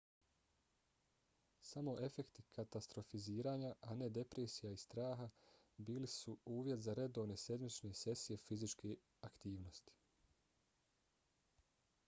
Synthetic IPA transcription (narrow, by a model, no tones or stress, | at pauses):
samo̞ʔe̞fe̞kt̪ikʰat̪ast̪ɾo̞fiziːɾaːɲaʔane̞d̪e̞pɾe̞ːsijaist̪ɾaːɦabiːlisuuːʋje̞t̪zaɾe̞d̪o̞ʋne̞se̞d̪mit͡ʃne̞se̞sije̞fizit͡ʃke | akt̪iːʋno̞st̪i̥